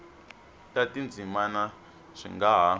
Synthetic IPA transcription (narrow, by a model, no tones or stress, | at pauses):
tatind͡zimana | ʂḭŋɡaɦa